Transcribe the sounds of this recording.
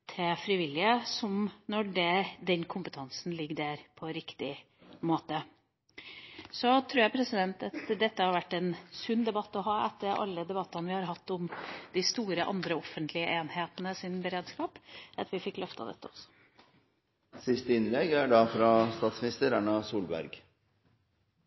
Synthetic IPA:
t̪ʰɪfɾɪʋɪlːɪəsɔmnɔɖɛd̪ɛnkʰʊmpət̪ʰɑnsn̩lɪɡːəɖæɾpʰɔɾɪkt̪ɪ | moːt̪ə | sɔt̪ʰɾʉːjæpʰɾɛsɪd̪ɛnt̪ɑt̪d̪ɛt̪ːəhɑɾʋæʈːɛnsʉnːd̪ɛbɑt̪ːɔɦɑːɛt̪ːəɾɑ̰lːəd̪ɛbɑt̪ːɑnəʋɪhɑɾɦɑt̪ːʊmd̪̥ɪst̪uːɾəʔɑ̰nd̪ɾəɔfənt̪ʰlɪəʔeːnheːt̪ənəsɪnbəɾeːd̪skɑːpɑt̪ʋɪfɪkːlœft̪ɑ̰d̪ɛ̰t̪ʰːəɔsːɔ̥ | sɪst̪əɪnlɛɡæɖɑfɾɑst̪ɑːt̪smɪnɪst̪əɾæɳɑsuːlbæ̰ɾɡ

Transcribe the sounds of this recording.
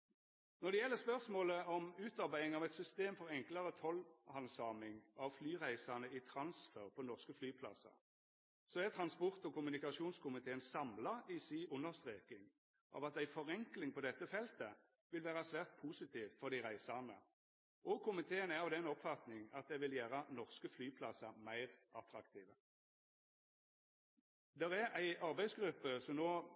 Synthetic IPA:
nɔʁd̪ɛjɛlːəʁspœʁsmoːləɔmʉːt̪ɑʁbæɪɪŋɑʋɛɪt̪sʏst̪eːmfɔʁɛŋklɑʁət̪ʰɔlhɑnsɑːmɪŋɑʋflyːʁæɪsɑnəɪt̪ʰɾɑnsføːʁpʰɔnɔʁskəflyːpʰlɑ̰sɑ̰ | sɔæʁt̪ʰʁɑnspɔʁt̪ɔkʰʊmʉnɪkɑʂuːnskʰʊmɪt̪ʰeːənsɑmlɑisiːʔʊnəʁst̪ʁeːkɪŋ | ʔɑ̰ːʋɑt̪æɪfɔʁɛŋklɪŋpʰɔd̪ɛt̪ːəfɛlt̪ə | ʋɪlʋæːʁɑsʋæːʁt̪̚pʰuːsɪt̪ʰiːʋfɔʁd̪ɪʁæɪsɑnə | ʔɔkʰʊmɪt̪ʰeːənæɾɑʋd̪ɛnɔpfɑt̪nɪŋɑt̪̚d̪ɛʋɪljæːʁənɔʁskəflyːpʰlɑsɑmæɪʁʔɑt̪ʁɑkt̪ʰiːʋə | d̪ɛʁææɪʔɑʁbæɪsɡʁʉpːəsɔmnoː

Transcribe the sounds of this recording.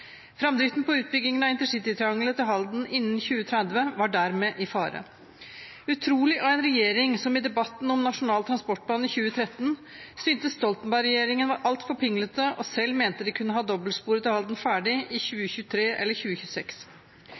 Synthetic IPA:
fɾɑmd̪ɾɪft̪n̩pɔʉːt̪̚bʏɡːɪŋənɑɪnt̪əʂɪt̪ɪt̪ʰɾɛɑŋlət̪ʰɪlɦɑld̪n̩ʔɪnːn̩çʉːət̪ʰɾɛd̪ʋəʋɑɖæɾmeːʔɪfɑːɾə̰ | ʉt̪ʰɾuːlɪʔɑɛnɾɛjeːɾɪŋsɔmɪd̪ɛbɑt̪nɔmnɑʂʊnɑːlt̪ʰɾɑnspɔʈ̚bɑːnɪçʉːət̪ʰɾɛt̪ːn | syːnt̪əst̪ɔlt̪ənbæɪɾɛjeːɾɪŋənʋɑɾʔɑlt̪fɔpʰɪŋlət̪əʔɔsɛlːmeːnt̪əd̪ɛkʰʉnːəɦɑːd̪ɔbəlspuːɾət̪ɪlhɑld̪n̩fæːɖɪʔɪçʉːəçʉːt̪ʰɾeːʔɛ̰lːəɾçʉːəçʉːsɛks

